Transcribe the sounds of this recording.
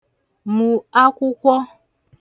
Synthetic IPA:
mũ˨a˦kʷu˦kʷɔ˦

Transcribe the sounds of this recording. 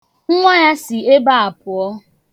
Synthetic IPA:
ŋ̩˦ŋʷa˦ja˦sɪ˨e˦ba˦a˨pʊ˨ɔ˦

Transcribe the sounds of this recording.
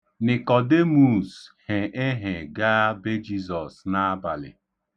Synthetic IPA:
nɪ˨kɔ˨de˦mu˨she˨ʔe˦ɦe˨ɡa˦be˦d͡ʒi˦zɔ˨sna˦a˦ba˨lɪ̰˨

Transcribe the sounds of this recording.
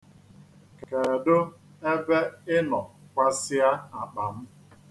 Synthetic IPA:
kke˨dʊ˦ | e˦be˦ɪ˦nɔ˨kʷa˦sɪ˦a˦a˨k͡pa˨m̩˦

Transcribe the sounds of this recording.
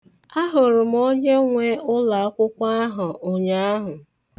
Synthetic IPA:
a˦ɦʊ˨ɾʊ˨m̩˦o˦ɲe˦ŋʷe˦ʊ˦la˨˦kʷʊ˦kʷa˦ɦʊ˨ʔo˨ɲa˦a˦ɦʊ˨

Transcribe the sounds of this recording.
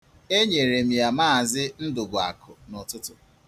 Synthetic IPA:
e˦ɲe˨ɾe˨m̩˨ja˨maː˦˨zɪ˦n̩˦dʊ˨ɡʷʊ˨a̰˨kʰʊ˨nɔ˨tʊ˦tʊ˨

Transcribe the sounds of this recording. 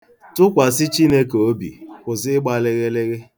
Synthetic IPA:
tʊ˦kʷa˨sɪ˦t͡ʃi˦ne˦ko˦bḭ˨kʊ˨zɪ˦ɡ͡ba˨lɪ˦ɣɪ˦lɪ˦ɣɪ˦

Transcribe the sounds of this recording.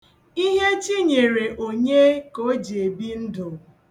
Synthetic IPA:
i˦ɦe˦t͡ʃi˦ɲe˨ɾe˨ʔo˨ɲe˦ko˦d͡ʒe˨bi˦n̩˦dʊ˨

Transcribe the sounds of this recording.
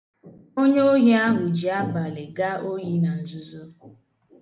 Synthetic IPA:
o˦ɲ˦o˦ɦi˦a˦ɦʊ˨d͡ʒi˨a˦ba˨le˨ɡa˦o˦ɦi˦na˨n̩˨d͡ʒʊ˦zo˦

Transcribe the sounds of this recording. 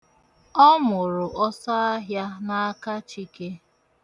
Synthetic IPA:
ɔ˦mʊ˨ɾʊ˨ʔɔ˦sa˦a˦ɦja˦na˦a˦ka˦t͡ʃi˦ke˦

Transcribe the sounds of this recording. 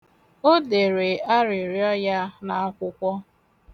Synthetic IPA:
o˦de˨ɾe˨a˦ɾɪ˨ɾjɔ˦ja˦na˨a˦kʷʊ˦kʷɔ˦

